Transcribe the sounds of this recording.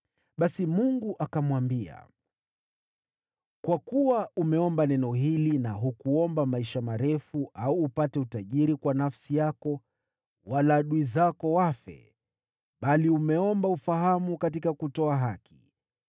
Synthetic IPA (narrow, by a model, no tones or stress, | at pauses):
ɓasimuŋɡuʔakamwambia̰ | kwakuwaumɛɔmbanɛnɔɦilinaɦukuɔmbamaiʃamaɾɛfuʔauːpatɛutaʄiɾikwanafsijakɔ | walaːɗuizakɔwafɛ̰ | ɓaliumɛɔmbaufaɦamukat̬ikakutɔaɦaki̥̰